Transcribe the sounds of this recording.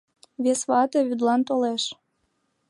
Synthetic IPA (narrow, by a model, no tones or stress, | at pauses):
βesβɑt̪eβyd̪lɑnt̪oleʃ